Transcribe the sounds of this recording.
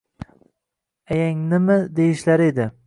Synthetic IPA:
ajaŋnɪmɪd̪ejɪʃlaɾed̪ɪ

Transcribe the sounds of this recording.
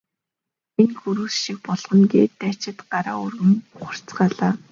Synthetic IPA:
enxuɾuːsʃik̚pɔɮχɞ̆nɡeːt̪ːat͡ɕɪ̆t̪ɢaɾa̰ːʊrɣɘ̆ŋχʊr̥t͡sɢaːɮaː

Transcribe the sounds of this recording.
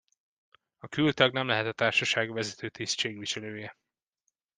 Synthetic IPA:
ɒkylt̪ɒɡnɛmlɛɦɛt̪ɒt̪aːrʃɒʃaːɡvɛzɛt̪ʰøːt̪ist͡ʃeːɡʋiʃɛløːjɛ

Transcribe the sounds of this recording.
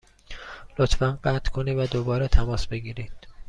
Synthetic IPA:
lot̪fænɢæt̪ʰkʰoniːvæd̪obɒːɾɛt̪ʰæmɒːsbe̞ɡiːɾiːd̪̥

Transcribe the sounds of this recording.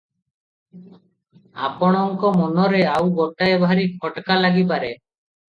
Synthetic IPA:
a̰pɔɽ̃ɔŋkɔmɔnɔɾeawɡɔʈaebʱaɾikʰɔʈkalaɡip̬aɾe

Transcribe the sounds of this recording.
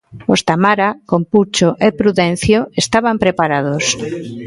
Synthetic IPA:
ost̪amaɾakomput͡ʃoʔepɾuðẽn̟θjoest̪aβ̞ampɾepaɾað̞os

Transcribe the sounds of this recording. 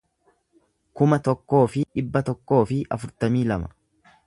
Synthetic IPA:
kʊmɐt̪ɔkːo̞ːfɪᶑɪbːɐt̪ɔkːo̞ːfɪʔɐ̰fʊɾt̪ɐmiːlɐmɐ̥

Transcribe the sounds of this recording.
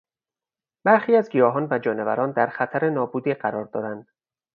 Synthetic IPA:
b̥æɾxiːæzɡijɒːɦɒːnvæd͡ʒɒːne̞væ̰ɾɒːnd̪æɾxæt̪ʰæɾenɒːbuːd̪iːɢæɾɒːɾd̪ɒːd̪ænd̪̥

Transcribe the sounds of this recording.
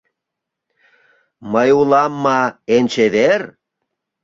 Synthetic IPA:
məjulˠɑmːɑenʲt͡ɕeðeɾ

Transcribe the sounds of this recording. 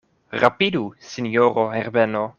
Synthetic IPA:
ɾapidusinjoɾoheɾbeno

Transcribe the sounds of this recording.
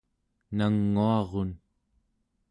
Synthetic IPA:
naŋːuɑʁon

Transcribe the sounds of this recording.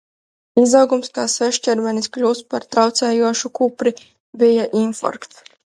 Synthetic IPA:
izawɡumskaːsvɛʃt͡ʃɛɾvɛnisklʲuːspaɾt̪ɾawt̪sɛːjuɔʃukupɾi | bijaʔinfɔ̰ɾkt̪

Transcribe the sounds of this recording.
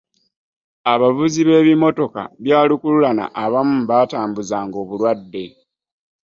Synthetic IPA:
aβavuziβe̞ːβimo̞to̞ka̰βjaːlikululana̰ʔːβamum̩βaːtaːmbuzaːŋɡo̞ːβulwadːe̞

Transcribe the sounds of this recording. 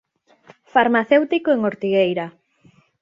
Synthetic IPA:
faɾmaθewt̪ikoeŋoɾt̪iɣejɾa

